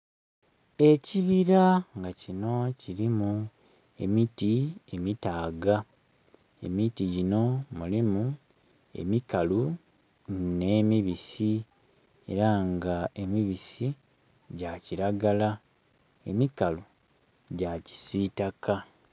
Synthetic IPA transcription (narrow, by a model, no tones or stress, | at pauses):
e̞ciβiɾaŋɡacino̞ciɾimu | e̞̰mitie̞mitaːɡa | e̞̰mitiɟino̞mulimu | e̞̰mikalu | ne̞ːmiβisi | e̞̰ɾaŋɡae̞miβisi | ɟaciɾaɡala | e̞mikalu | ɟaci̥sitaka